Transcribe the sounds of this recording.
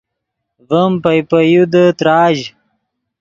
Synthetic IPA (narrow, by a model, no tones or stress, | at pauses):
vəmpɐjpəjud̪ət̪ɾaːʑ